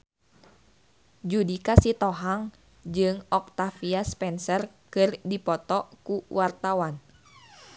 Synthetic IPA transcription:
d͡ʒudikasit̪ɔɦaŋ | d͡ʒɨŋɔk̚t̪afiaspɛnsərkɨrdipɔt̪ɔkuwart̪awan

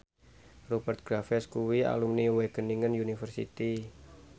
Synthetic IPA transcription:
rubərt̪̚ɡ̥ɾafɛskuwia̰lumniweɡ̥əniŋənjunifərsḭt̪i

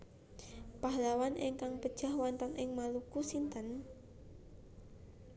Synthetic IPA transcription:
paɦlawanʔɪŋkaŋpəd̥ʒ̥a̤hwant̪ənɪŋmalukusint̪ən

